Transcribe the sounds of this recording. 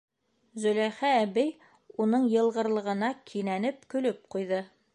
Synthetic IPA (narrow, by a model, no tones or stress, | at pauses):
zɵ̆læχæːbɘj | unɤɴjɤ̆lˠʁɤ̆ɾlˠɤ̆ʁɤ̆nɑkʰinænɘp̚kɵ̆lɵp̚qujðɤ